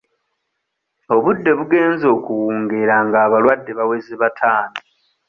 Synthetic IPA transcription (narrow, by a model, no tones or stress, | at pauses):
o̞βudːe̞βuɡe̞ːnzo̞ːkuwuːŋɡeɾaŋɡaːβalwadːe̞βawe̞ziβatʰaːni